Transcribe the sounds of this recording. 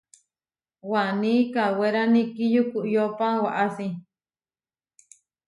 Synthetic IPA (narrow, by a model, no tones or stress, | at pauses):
wanĩkaweɾanĩkijukuʔjopawaʔasi